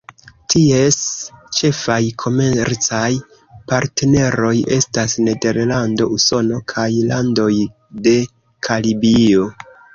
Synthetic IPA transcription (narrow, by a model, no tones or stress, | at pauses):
tie̞st͡ʃe̞fajkʰo̞me̞ɾt͡saj | paɾtne̞ɾo̞je̞stasne̞de̞ɾlando̞uso̞no̞kʰajlando̞j | de̞ | kʰalibio̞